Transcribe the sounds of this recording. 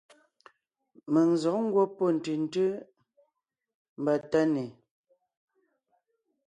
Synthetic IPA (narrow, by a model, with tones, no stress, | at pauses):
mə˨ŋ˨zɔ˨ʔŋ̩˦ɡwo˦po˦˨n̩˨tɯ˨n̩˦tə˦ | m̩˨ba˨ta˦ne˨